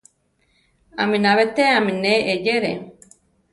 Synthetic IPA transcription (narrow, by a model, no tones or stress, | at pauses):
a̰mĩnaβet̪eamineʔejeɾḛ